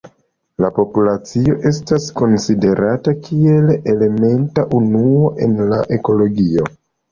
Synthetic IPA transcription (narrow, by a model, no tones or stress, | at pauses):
lapo̞pulat͡sio̞ʔe̞s̬tasko̞nside̞ɾʔatakʰie̞lele̞me̞ntaʔunuo̞ʔe̞̰nlaʔe̞ko̞lo̞ɡio̞